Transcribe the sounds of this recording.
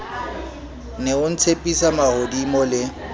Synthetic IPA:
neʊn̩t͡sʰepʼisamahodimɔlɪ

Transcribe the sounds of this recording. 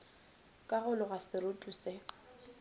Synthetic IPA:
kʼaɣʊlʊɣasɪɾʊtʼusɪ

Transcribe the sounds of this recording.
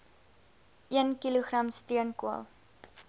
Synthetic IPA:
ʔiənkiluχrɐmstiənkuə̰lˠ

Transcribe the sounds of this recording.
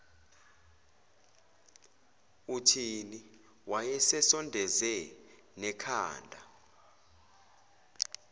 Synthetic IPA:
utʰini | wajɛsɛsɔndʱɛzɛ | nɛkʰa̰ːndʱa̰

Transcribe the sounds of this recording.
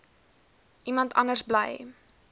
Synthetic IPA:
ʔimɐntʰɐnərsblɛ̰j

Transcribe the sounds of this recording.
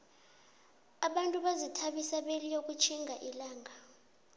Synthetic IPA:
aɓantʼuɓazitʰaɓisaɓelijok̬ʼut͡ʃʰiŋʱaʔilaːŋʱa

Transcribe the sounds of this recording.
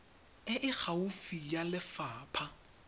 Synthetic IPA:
ɪʔɪk͡xʰaufijalɪfaːpʰa

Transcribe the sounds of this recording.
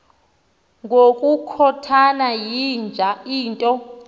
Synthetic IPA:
ŋɡʱokʼukʰɔtʰanajind͡ʒʱaiːntʼɔ

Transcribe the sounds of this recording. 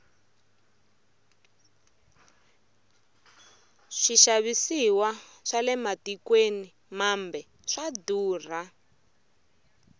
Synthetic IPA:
ʂiʃaβisiwaʂalɛmatikweni | mambɛ | ʂaduːr̤a

